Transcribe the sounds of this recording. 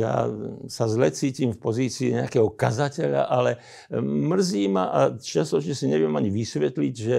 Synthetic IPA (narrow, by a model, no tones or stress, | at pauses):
ja̰ːsazlɛt͡siːcimfpɔziːt͡siːɲɛakɛːɦɔkazacɛʎa̰ʔalɛ | mr̩ziːmaʔat͡ʃɪast̪ɔt͡ʃɲɛsiɲɛʋɪjɛmaɲiʋisʋɛt̪liɟʒɛ